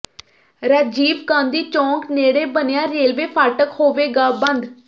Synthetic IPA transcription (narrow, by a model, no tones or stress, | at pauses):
ɾɛːd͡ʒiːbkãːnd̪iːt͡ʃɔ̃ːŋkneːɽeːbənɪjãːɾeːlʋeːpʰaːʈəkhoːʋeːɡaːbənd̪